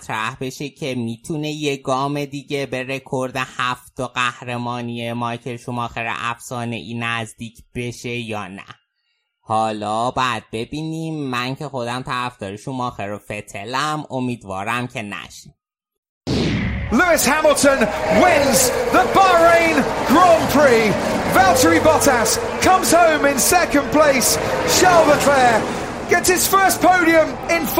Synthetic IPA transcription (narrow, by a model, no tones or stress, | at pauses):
t̪ʰɾæhbe̞ʃecʰe̞miːt̪ʰune̞jeɡɒːme̞d̪iːɟebe̞ɾe̞kʰoɾd̪ehæft̪oɢæhɾemɒːnijemɒjcʰeɾʃumɒːxeɾḛʔæfsɒːne̞̰ʔiːnæzd̪iːcʰb̥e̞ʃe̞jɒːnæ̰ | hɒːlɒːbæd̪̚be̞biːniːmːæncʰe̞xo̞d̪æmt̪ʰæɾæfd̪̥ɒːɾiʃumɒːxeɾofe̞t̪ʰelæmomiːd̪vɒːɾæmcʰenæ̰ʃi̥ | lʉɪshaməlˠtə̃nwɪ̃nzðəbaɪɹẽɪ̃nɡ̥ɹɔ̃mpʰɹiːvɛlˠtəɹibɒtas | kʰʌ̃mz̥hə̃ʊ̃mɪ̃nsɛkə̃npʰl̥eɪsʃɛlˠðəkʰl̥ɛː | ɡ̥ɛtshɪz̥fɜˑspʰəʊɾiə̃m | ɪ̃nf